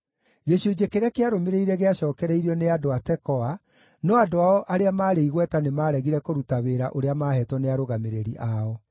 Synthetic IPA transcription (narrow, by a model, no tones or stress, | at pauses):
ɡeʃod͡ʑekeɾɛkeaɾomeɾeiɾɛɣeaɕɔːkɛɾɛiɾɔneadoatɛkɔa | nɔadoaɔʔaɾeamaːɾeiɣwɛtanemaːɾɛɣiɾɛkoɾutaβeɾaʔoɾeamaːɦɛtwɔneaɾoɣameɾeɾiʔaɔ